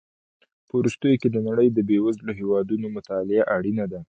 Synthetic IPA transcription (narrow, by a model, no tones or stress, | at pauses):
pəuɾust̪əjoked̪ənaɽəjd̪əbewazloɦewɑd̪unomʊt̪ɑlɪaʔaɽinad̪a